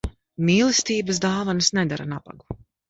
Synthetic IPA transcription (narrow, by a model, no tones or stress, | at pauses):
miːlˠist̪iːbəs̬d̪aːvansnɛd̪aɾanaba̰ɡu̥